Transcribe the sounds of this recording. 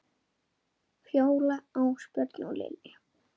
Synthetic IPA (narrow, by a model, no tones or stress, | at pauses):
fjoːwlaawspœɾt̪nulɪ̰nɪ